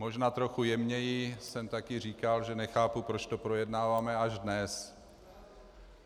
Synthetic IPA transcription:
mo̞ʒnaːt̪ɾo̞xujɛmɲɛjɪsɛmt̪akɪr̝iːkalʒɛnɛxaːpupɾo̞t͡ʃt̪o̞pɾo̞jɛdnaːvaːmɛaʒdnɛs

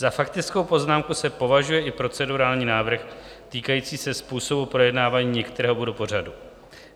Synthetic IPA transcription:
zafakt̪ɪt͡sko̞wpo̞znaːmkusɛpo̞vaʒujɛʔɪpɾo̞t͡sɛduɾaːlɲiːnaːvr̩x | t̪iːkajiːt͡siːsɛspuːso̞bupɾo̞jɛdnaːvaːɲiːɲɛkt̪ɛɾɛːɦobudopo̞r̝adu

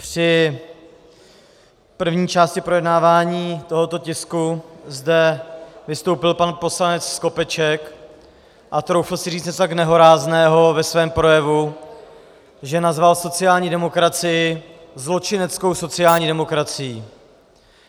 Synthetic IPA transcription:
pr̝̥ɪ | pr̩vɲiːt͡ʃaːscɪpɾo̞jɛdnaːvaːɲiːt̪o̞ɦo̞t̪o̞cɪskuzdɛvɪst̪o̞wpɪlpanpo̞slanɛt͡ssko̞pɛt͡ʃɛk | ʔat̪ɾowfl̩sɪriːt͡sɛtt̪aknɛɦo̞ɾaːznɛːɦo̞vɛsvɛːmpɾo̞jɛvu | ʒɛnazvalso̞t͡sɪjaːlɲiːdɛmo̞kɾat͡sɪjɪ | zlo̞t͡ʃɪnɛt͡sko̞wso̞t͡sɪjaːlɲiːdɛmo̞kɾat͡sɪjiː

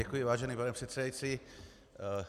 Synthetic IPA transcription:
ɛkujɪvaːʒɛniːpanɛpr̥ɛt̪sɛdajit͡si

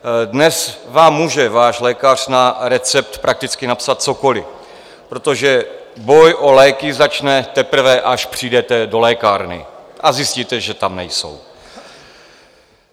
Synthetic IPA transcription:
dnɛsvaːmːuːʒɛvaːʃlɛːkar̥naɾɛt͡sɛp̚t̪pɾʔak̚t̪ɪt͡skɪnapsat̪̚t͡so̞ko̞lɪ | pɾo̞t̪o̞ʒɛ | bo̞jʔo̞lɛːkɪzat͡ʃnɛt̪ɛpɾ̩vɛʔaʃpr̥iːdɛt̪ɛdo̞lɛːkaːɾnɪ̰ʔazjɪsciːt̪ɛʒɛt̪amnɛjso̞̰w

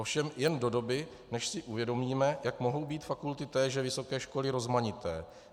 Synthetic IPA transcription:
ofʃɛmjɛndo̞do̞bɪ | nɛʃsɪʔuvjɛdo̞miːmɛjakmo̞ɦo̞wbiːt̪fakult̪ɪt̪ɛːʒɛvɪso̞kɛːʃko̞lɪɾo̞zmaɲɪt̪ɛ̰ː

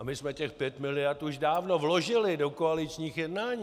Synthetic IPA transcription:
amɪsmɛcɛxpjɛt̪mɪlɪjaɾt̪uʒdaːvnovlo̞ʒɪlɪdo̞koalɪt͡ʃɲiːxjɛdnaːɲiː

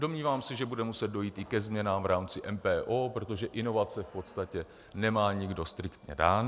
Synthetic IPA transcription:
do̞mɲiːvaːmsɛʒɛbudɛmusɛd̪̚do̞jiːt̪ɪkɛzmɲɛnaːmvɾaːmt͡sɪʔɛmpɛːʔoːpɾo̞t̪o̞ʒɛʔɪno̞vat͡sɛfpo̞t̪st̪acɛ | nɛmaːɲɪɡdo̞st̪ɾɪkt̪ɲɛ̰daːn

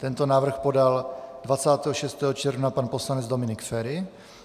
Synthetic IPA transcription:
t̪ɛnt̪onaːvr̩xpo̞daldvat͡saːt̪ɛːɦoʃɛst̪ɛːɦot͡ʃɛɾvnapanpo̞slanɛd͡zd̪o̞mɪnɪkfɛɾɪ

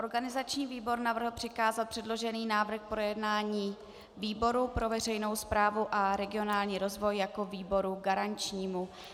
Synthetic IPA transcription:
ʔo̞ɾɡanɪzat͡ʃɲiːviːbo̞ɾnavr̩ɦl̩pr̥ɪkaːzat̪̚pr̥ɛdlo̞ʒɛniːnaːvr̩xpɾo̞jɛdnaːɲiː | viːbo̞ɾupɾo̞vɛr̝ɛjno̞wspɾaːvuʔaɾɛɡɪo̞naːlɲiːɾo̞zvo̞jjako̞viːbo̞ɾuɡaɾant͡ʃɲiːmu

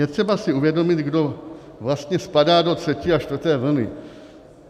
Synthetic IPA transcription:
jɛt̪r̝̥ɛbasɪuvjɛdo̞mɪt̪ɡdo̞ | vlast̪ɲɛspadaːdo̞t̪r̝̥ɛcɪaʃt̪vəɾt̪ɛːvl̩nɪ̰

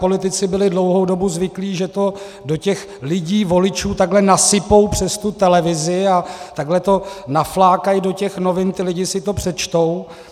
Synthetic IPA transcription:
po̞lɪt̪ɪt͡sɪbɪlɪdlo̞wɦo̞wdo̞buzvɪkliːʒɛt̪o̞ | do̞cɛx | lɪɟiːvo̞lɪt͡ʃuːt̪aɡɦlɛnasɪpo̞wpr̝̥ɛst̪ut̪ɛlɛvɪzɪat̪aɡlɛt̪o̞naflaːkajido̞cɛxno̞vɪnt̪ɪlɪɟɪsɪt̪o̞pr̥ɛt͡ʃt̪o̞w

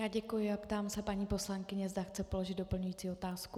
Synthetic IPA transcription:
jaːɟɛkujɪapt̪aːmsɛpaɲiːpo̞slaŋkɪɲɛzdaxt͡sɛpo̞lo̞ʒɪd̪̚do̞pl̩ɲujiːt͡siːo̞t̪aːskku

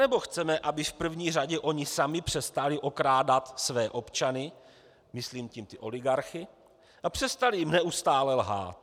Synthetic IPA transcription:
anɛbo̞xt͡sɛmɛʔabɪfpr̩vɲiːraɟɛʔo̞ɲɪsamɪpr̝̥ɛst̪alɪʔo̞kɾaːdat̪svɛːʔo̞pt͡ʃanɪ | mɪsliːmcimt̪ɪʔo̞lɪɡaɾxɪ | ʔapr̝̥ɛst̪alɪjɪmnɛʔust̪aːlɛlɦa̰ːt̪

